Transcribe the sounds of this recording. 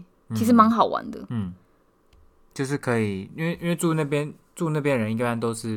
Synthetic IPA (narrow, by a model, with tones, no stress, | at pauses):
i˧˥ʂɻ̩˧˥˩ma˧˥ŋxɑ˨˩ʊwa̰˧˥nd̪ə̰˧˥˩ | t͡ɕjo˥˧ʊʂ̬ɻ̩˥˩kʰɤ˧˥i˨˩i˥nwe˥˩ɪʔnwe˥˧ɪʈ͡ʂu˥˧na˥˩pjɛ˦˥n | ʈ͡ʂu˥˧na˥˩pʰjɛ˥nɻə˧˦ni˧˩pa˥˩nt̪o˥ʊʂɻ̩˥˩